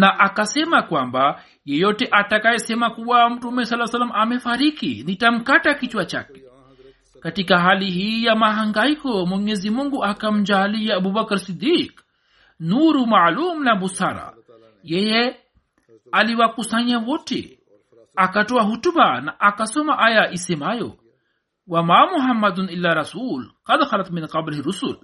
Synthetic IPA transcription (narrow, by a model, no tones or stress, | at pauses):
naʔakasɛmakwamba | jɛjɔtɛʔatakajɛsɛmakuwam̩tumɛsalːasalamamɛfaɾikḭnitam̩katakit͡ʃwat͡ʃa̰kɛ̥ | katikaɦalihiːjamaɦaŋɡaikɔmwɛɲɛzimuŋɡuakam̩d͡ʒaliaːbubakaɾsid̪ik | nuːɾumaʕluːmlabusaɾa̰ | jeje | aliwakusɐɲawoʈḛ | akɐʈuwaɦutubanaʔakasomaʔajaʔisemajo̰ | wamamuɦɐmːɐd̪nilːaːɾɐsuːlqɐd̪xɐlɐt̪minqɐblhiɾusul